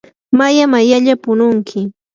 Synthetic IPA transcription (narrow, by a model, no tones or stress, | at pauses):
majamajaʎapʊnʊŋkʰɪ